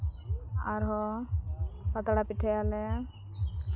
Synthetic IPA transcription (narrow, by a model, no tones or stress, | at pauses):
aɾɦɔ | pət̪aɽapiʈʰɛalɛ